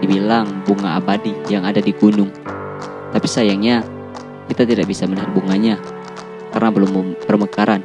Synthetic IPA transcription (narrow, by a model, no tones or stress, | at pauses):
dibilaŋbuŋaabadijaŋadadiɡunʊŋ | t̪apisajaŋɲa | kit̪at̪idaʔbisamənaɦat̪̚buŋaɲa | ka̰rnabərlʊmpərməkaɾan